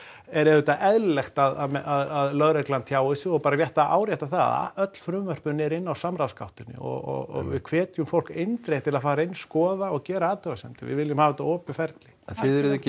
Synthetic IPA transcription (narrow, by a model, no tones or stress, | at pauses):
ɛɾɛhʏt̪aʔɛðllɛxt̪aðamɛaðaðlœɣɾɛklant̪ʰjaːwɪsɪɔɣpaːɾarjɛht̪aʔa̰ːwɾjɛht̪aθaa̰ð̰œt̪l̥fɾʏmvœr̥pʏnɛɾɪnːawsamɾawskawht̪ɪnɪ̰ɔ̰ɣɔ̰ɣɔ̰ɣvɪ̰ðkʰvɛːt̪jʏmfowl̥kejnt̪ɾejt̪ʰːɪlaðfaːɾaɪjnːskɔːðaɔɣcɛːɾaaːt̪œɣasɛmt̪ɪvɪ̰ðvɪlːjɪmhaːvɛt̪aɔːpjʏfɛɾt̪lɪθɪðɛɾðɛ